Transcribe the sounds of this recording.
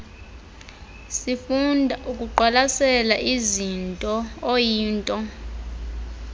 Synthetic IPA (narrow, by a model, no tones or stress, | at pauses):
sifundʱaʔukʼuǃwalasɛlaʔizintʼɔojiːntʼɔ